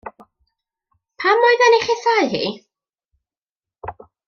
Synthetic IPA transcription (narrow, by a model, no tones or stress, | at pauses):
pʰamɔɨðanejχɪθajɦḭː